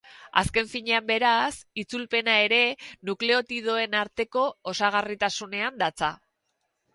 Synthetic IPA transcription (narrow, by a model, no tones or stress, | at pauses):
a̰ske̞ɱfiɲe̞ambe̞ɾasit͡sulpe̞nae̞ɾe̞nukle̞o̞t̪ið̞o̞e̞naɾt̪e̞ko̞ːsaɣ̞arit̪asune̞and̪at͡sa